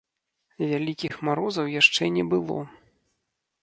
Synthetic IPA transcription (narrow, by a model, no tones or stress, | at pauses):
vʲalʲikʲixmaɾɔzɐwjaʂt͡ʂɛnʲɛbɨlˠɔ̰